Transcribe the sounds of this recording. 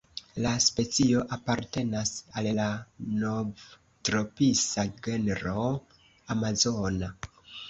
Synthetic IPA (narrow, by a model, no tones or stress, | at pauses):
laspe̞t͡sio̞ʔapaɾte̞nasallanov | tɾo̞pisaɡe̞neɾo | amazona